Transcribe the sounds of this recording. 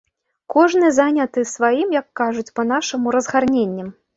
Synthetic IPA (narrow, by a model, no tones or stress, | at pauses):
kɔʐnɨzanʲɐt̪ɨsvajimjɐkːaʐut͡sʲpɐn̪aʂɐmuɾɐzɣarnʲenʲːɐm